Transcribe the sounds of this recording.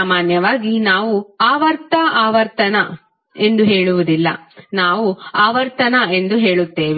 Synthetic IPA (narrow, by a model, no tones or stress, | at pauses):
maːnjɐʋaːɡinaːʋuaːʋɐɾt̪ɐʔaːʋɐɾt̪ɐnɐ | e̞nd̪uɦe̞ːɭuʋud̪ilːɐ̰naːʋuaːʋɐɾt̪ɐnɐe̞nd̪uɦe̞ːɭut̪ːe̞ːʋi